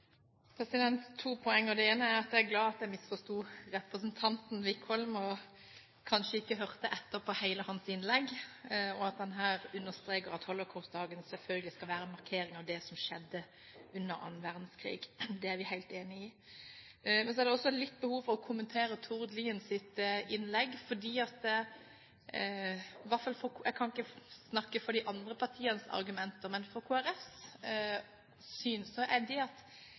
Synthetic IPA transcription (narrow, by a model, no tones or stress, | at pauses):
pʰɾɛsɪd̪ɛnt̪ʰːuːpʰɔɛŋːəɔd̪ɛeːnəæɾɑt̪̚d̪ɛæɾɡlɑːɑt̪̚d̪ɛɪmɪsfɔst̪uːʁɛpɾəsənt̪ʰɑnt̪n̩ʋɪkhɔlmɔ | kʰɑnʃəɪkːəɦœʁt̪əʔɛt̪ːəpʰɔhæɪləhɑnsɪnlɛɡːɔɑt̪̚d̪ɛnɦæːɾʉnːəʁst̪ɾeːkəɾɑt̪hɔlɔkʰɑʊst̪̚d̪ɑːɡənsɛlfœlɡəlɪskɑlʋæːɾəmɑʁkʰeːɾɪŋɑʋd̪ɛsɔmʃɛd̪ːə | ʉnːəɾɑ̰nːʋæʁd̪n̩skʰʁḭːɡd̪ɛæɾʋɪhæɪlt̪eːnɪɪ | mɛnsɔæɾd̪ɛɔsːɔlɪt̪ːbəhuːʋfɔɾɔkʰʊmənt̪ʰeːɾət̪ʰʊʁd̪liːənsɪt̪ɪnlɛɡːfɔd̪iːɑt̪ə | ʋɑtfɑlfɔɛɡkʰɑnɪkːəsnɑkːəfɔɾd̪ɪʔɑnd̪ɾəpʰɑɾt̪ʰiːənsɑ̰ɾɡʉmɛnt̪əmɛnfɔɾkʰoːæɾɛfs | syːnsɔʔɛd̪ɛɑt̪